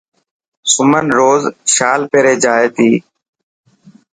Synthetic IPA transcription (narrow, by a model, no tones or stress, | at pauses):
sʊmənɾoːzʃaːlpeːɾeːd͡ʒaːeːt̪iː